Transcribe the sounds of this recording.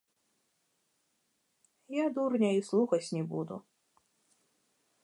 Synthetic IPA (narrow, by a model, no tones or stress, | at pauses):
jad̪urnʲɐislˠuxɐsʲnʲibud̪ṵ